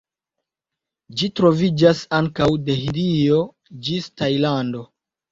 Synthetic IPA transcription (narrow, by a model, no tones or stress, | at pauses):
d͡ʒitɾo̞vid͡ʒasaŋkawde̞ɦiɾio̞ | d͡ʒistajlando̞